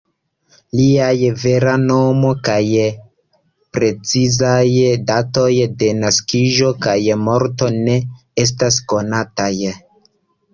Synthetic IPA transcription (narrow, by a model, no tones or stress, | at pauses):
liajve̞ɾano̞mo̞kaj | pɾe̞t͡sizajdato̞jde̞naskiʒo̞kajmo̞ɾto̞ne̞ | e̞s̬tasko̞nataj